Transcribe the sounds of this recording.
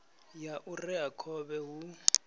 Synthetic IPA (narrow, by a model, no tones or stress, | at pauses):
jaʔurɛɦakʰɔɓɛɦu